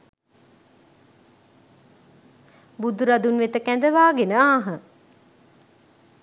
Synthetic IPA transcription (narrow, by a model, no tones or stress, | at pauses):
bud̪uɾad̪unʋet̪əkænd̪əʋaːɡenəaːɦə